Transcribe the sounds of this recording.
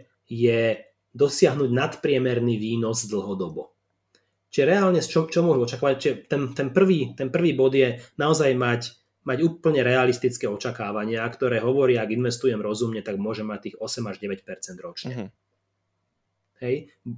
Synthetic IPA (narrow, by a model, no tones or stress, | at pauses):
jɛ | d̪ɔsɪaɦnuɟnat̪pɾɪɛmɛɾniːʋiːnɔzd̪l̩ɦɔd̪ɔbɔ | t͡ʃiʒɛɾɛaːlɲɛst͡ʃɔmt͡ʃɔmʊɔʒuɔt͡ʃakaːʋac̚t͡ʃiʒɛt̪ɛnt̪ɛnpr̩ʋiːt̪ɛnpr̩ʋiːbɔd̪jɛnaɔzajmac | maɟuːpl̩ɲɛɾɛalist̪it͡skɛːɔt͡ʃakaːʋaɲɪakt̪ɔɾɛːɦɔʋɔɾɪaaɡinʋɛst̪ujɛmɾɔzumɲɛt̪aɡmʊɔʒɛmːac̚t̪iːɣɔsɛmaʒɟɛʋɛcpɛɾt͡sɛnd̪ɾɔt͡ʃɲɛ | hɛj